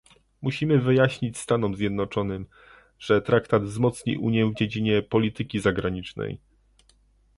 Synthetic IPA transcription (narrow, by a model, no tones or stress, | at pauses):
muɕimɘvɘjaɕɲit͡ɕst̪anɔmzʲjɛd̪nɔt͡ʂɔnɘm | ʐ̥ɛt̪ɾakt̪ad̪vzmɔt̪sɲḭʔuɲjɛvd͡ʑed͡ʑiɲɛpɔlʲit̪ɘkʲizaɡɾaɲit͡ʂnɛ̰j